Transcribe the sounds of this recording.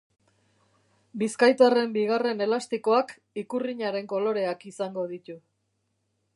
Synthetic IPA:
biskajt̪are̞mbiɣ̞are̞ne̞last̪iko̞ak | ikuriɲaɾe̞ŋko̞lo̞ɾe̞akisaŋɡo̞ðit̪u

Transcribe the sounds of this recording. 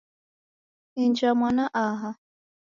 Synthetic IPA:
ind͡ʒamwanaʔaɦa

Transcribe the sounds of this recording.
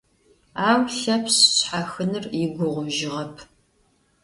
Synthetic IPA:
aːwɬɐpʰsɕħaxɨnɨrjɪɡʷʊʁʷʊʒɪʁɐpʰ

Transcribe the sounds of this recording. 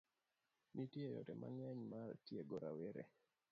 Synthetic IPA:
mitjejɔ̰tɛma̰ŋaɲmartjeɡɔɾaweɾḛ

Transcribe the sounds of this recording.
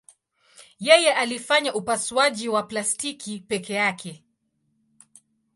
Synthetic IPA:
jɛjɛʔalifaɲaʔupaswaʄiwaplastikʰipɛkɛjakʰɛ

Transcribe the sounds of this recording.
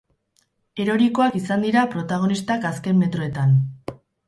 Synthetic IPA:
e̞ɾo̞ɾiko̞akisand̪iɾapɾo̞t̪aɣ̞o̞nist̪akaske̞mːe̞t̪ɾo̞e̞t̪an

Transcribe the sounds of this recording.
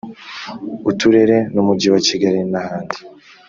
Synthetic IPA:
utuɾe̞ɾe̞numuɟiwaciɡaɾinahaːndi̥

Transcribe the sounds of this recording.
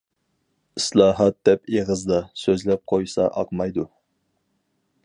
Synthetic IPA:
ɨslˠɑːɦɑt̪̚d̪ɛpeʁəzd̪ɑsøzlɛp̚qʰojsɑ̰ʔɑ̰qmɑjd̪u

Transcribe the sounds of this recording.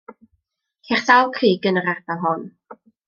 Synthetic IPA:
kʰɛχsalˠkʰiːɡənəɾadalˠɦɔn

